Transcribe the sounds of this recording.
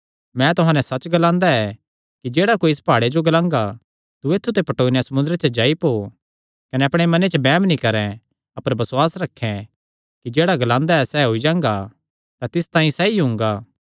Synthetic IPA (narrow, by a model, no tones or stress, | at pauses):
mɛ̃t̪ʊɦãːnɛsɐt͡ʃɡɐlãːnd̪aɛ | kid͡ʒeːɽakoːiɪspaːɽed͡ʒoɡɐlãːŋɡa | t̪ueːt̪ʰːut̪epɐʈoːnjasɐmʊ̃nd̪ɾet͡ʃəd͡ʒaːipoː | kɐnɛɐpɽ̃emɐnet͡ʃəbɛːmnikɐɾɛ̃ | ɐpəɾbɐsʊwaːsɾɐkʰːɛ̃ | kid͡ʒeːɽaɡɐlãːnd̪aɛsɛɦoid͡ʒãːŋɡa | t̪at̪ɪst̪ãːĩsɛːiɦʊ̃ːŋɡaː